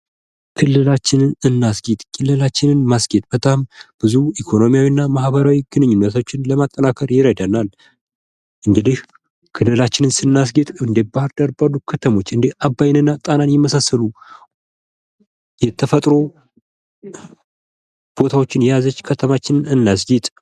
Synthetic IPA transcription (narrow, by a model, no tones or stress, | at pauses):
kʰɨlːɨlat͡ʃːɪnɨnɨnːasɡet̪ʼkʰɨlːɨlat͡ʃːɪnɨnmasɡet̪ʼb̥ət̪ʼamb̥ɨzuikʰo̞no̞mijawinːamahbəɾawiɡɨnɨɲːunːət̪ʰot͡ʃːɪnləmat̪ʼːənakʰəɾjɪɾəd̪ənal | ʔɨŋɡɨd̪ih | kʰɨlːɨlat͡ʃːɪnɨnsɨnːas̬ɡet̪ʼɨnd̪ebahɾd̪aɾbadukʰət̪ʰəmo̞t͡ʃːɨnd̪ehʔabːajɪnɨnːat̪ʼananjɛməsasːəlu | jɛt̪ʰːəfət̪ʼɾo̞ | b̥o̞t̪ʰawot͡ʃːɪnjɛjazət͡ʃːkʰət̪ʰəmat͡ʃːɪnɨnɨnːasɡit̪ʼ